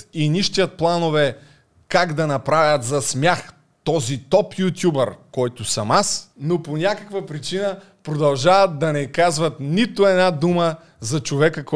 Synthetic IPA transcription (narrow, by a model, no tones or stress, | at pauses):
inʲiʃt̪ijət̪̚plˠanovɛ | kaɡd̪ɐnɐpɾavʲjɐt̪zɐsmʲjax | t̪ɔzit̪ɔpjut̪ʲjubəɾkɔjt̪ʊsɐmasnoponʲakəkvɐpɾit͡ʃinə | pɾod̪ɐlˠʒavɐt̪̚d̪ɐnɛkazvɐt̪nit̪oɛnad̪umə | zɐt͡ʃovɛkək